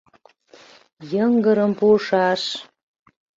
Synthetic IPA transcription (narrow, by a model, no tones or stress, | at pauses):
jəŋɡəɾəmpuʃɑʃ